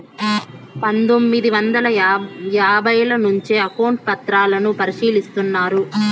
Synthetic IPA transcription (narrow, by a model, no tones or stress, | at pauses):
pɐnd̪o̞mːid̪iʋɐnd̪ɐlɐjaːbʱɐjɐlɐnuɲt͡ʃeɐkɐwɳʈ̚pɐt̪ɾaːlɐnupɐɾiʂiːlist̪unːaːɾu